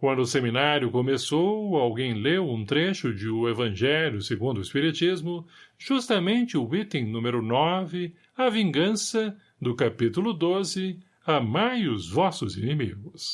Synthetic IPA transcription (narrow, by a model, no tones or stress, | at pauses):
kwɐ̃nd̪ʊːseminaɾjʊkomesowawɡẽj̃lewũt̪ɾeʃʊd͡ʒɪʊevɐ̃ʒɛljʊseɡũnd̪ʊispiɾit͡ʃizmʊʒ̥ust̪ɐmẽnt͡ʃɪʊit̪ẽj̃nũmeɾʊnɔvɪ | ɐvĩŋɡɐ̃sɐ | d̪ʊkapit̪ulʊd̪ozɪ | ɐmajʊzvɔsʊzinimiɡʊs